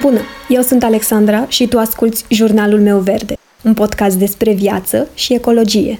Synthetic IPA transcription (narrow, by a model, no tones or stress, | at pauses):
bunəje̞wsunt̪ale̞ksand̪ɾaʃit̪uaskult̪sʲʒurnalulme̞wve̞rd̪e̞ | unpo̞d̪kast̪̚d̪e̞spɾe̞vja̰t̪səʃie̞ko̞lo̞d͡ʒije̞̰